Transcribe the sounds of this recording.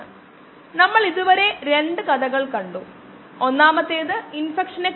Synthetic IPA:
ɨ | nɐmːɐɭiðuʋɐɾe̞ɾe̞ɳɖɨkɐd̪ɐɣɐɭkɐɳɖu | onːaːmɐt̪ːeːðɨinfekʂɐnek

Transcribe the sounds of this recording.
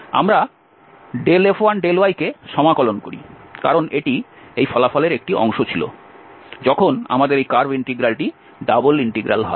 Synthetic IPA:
a̰mɾa | ɖelefoanɖeloajkeʃɔmakɔlonkoɾḭkaɾoneʈiejfʰɔlafɔleɾek̚ʈiɔ̰ŋʃot͡ɕʰilo̰ | d͡ʑɔkʰona̰mad̪eɾejkaɾbiɳʈeɡɾalʈi | ɖaboliɳʈeɡɾa̰lɦɔ̰e

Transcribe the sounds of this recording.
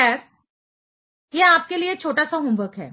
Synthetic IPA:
aːɾ | jeaːp̚keliet͡ʃʰoːʈasaɦʊ̃mbəkɦɛ̰ː

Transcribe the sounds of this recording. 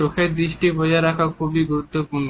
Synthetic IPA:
okʰed̪ɾiʃʈibɔaɾakʰakʰubiɡuɾut̪ːopuɾno

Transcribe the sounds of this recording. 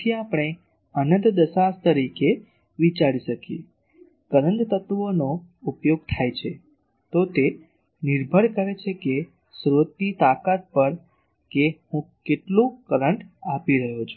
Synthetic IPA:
t̪ʰiapəɽ̃e | ənənt̪d̪əsast̪əɾike | ʋit͡ʃaɾiʃəkḭ | kəɾənd̪t̪ət̪ʋonoupjoɡ̚t̪ʰajt͡ʃʰe | t̪ot̪e | niɾbʱəɾkəɾet͡ʃʰeke | sɾot̪̚nit̪akat̪̚pəɾ | kehũkeʈlũkəɾəɳʈapiɾəɦot͡ʃʰu

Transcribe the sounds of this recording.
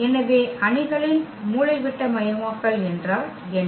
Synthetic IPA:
ɛnɐʋeːʔɐɳɪɣɐɭɪn | muːɭɐɪʋɪʈːɐmɐjɐmaːkːɐɭɛndraːɾ | ɛn

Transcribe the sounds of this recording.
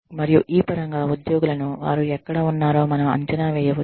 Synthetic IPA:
mɐɾijuʔiːpɐɾɐŋɡaːud̪jo̞ːɡulɐnuʋa̰ːɾuɛkːɐɽɐːunːaːɾo̞ːmɐnɐmɐ̰ɲt͡ʃɐnaːʋɛːjɐʋu

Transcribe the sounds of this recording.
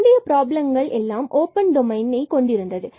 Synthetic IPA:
ɳɖɪjɐpɪɾaːblɐmɡɐɭʔɛlːaːmʔoːpɐnɖɔmɐɪnɐɪkɔɳɖɪɾɯnd̪ɐðɯ

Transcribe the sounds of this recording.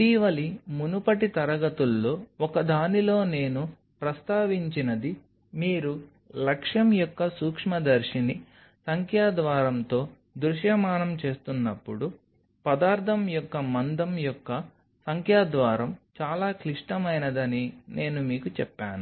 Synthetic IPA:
t̪iːʋɐlimunupɐʈit̪ɐɾɐɡɐt̪ulːo̞ːɔkɐd̪ʱaːnilo̞ːne̞ːnu | pɾɐst̪aːʋiɲt͡ʃinɐd̪i | miːɾu | lɐkʂjɐmjɔkːɐsuːkʂmɐd̪ɐɾʂini | sɐŋkʰjaːd̪ʋaːɾɐmt̪o̞ː | d̪ɾuʃjɐmaːnɐmt͡ʃe̞ːst̪unːɐpːuɽu | pɐd̪aːɾt̪ʰɐmjɔkːɐmɐnd̪ɐmjɔkːɐ | sɐŋkʰjaːd̪ʋaːɾɐmt͡ʃaːlaːkliʂʈɐmɐjnɐd̪ɐnine̞ːnumiːkut͡ʃɛpːaːnu

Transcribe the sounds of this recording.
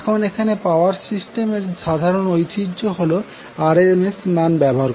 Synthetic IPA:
kʰonekʰanepaoaɾsisʈemeɾʃad̪ʱaɾonojt̪id͡ʑoɦolo | aɾemesnanbɛboɦaɾ

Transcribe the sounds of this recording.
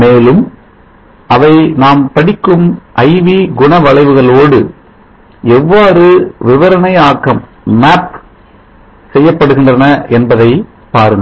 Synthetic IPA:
meːlɯm | ʔɐʋɐɪnaːmpɐɽɪkːɯmʔɐɪʋiɡʊɳɐʋɐɭɐɪʋɯɣɐɭoːɽɯ | ɛʋːaːɾɯʋɪʋɐɾɐnɐɪaːkːɐm | maːp | sɛjːɐpːɐɽɯɣɪndrɐnɐɛnbɐðɐɪ | paːɾɯn

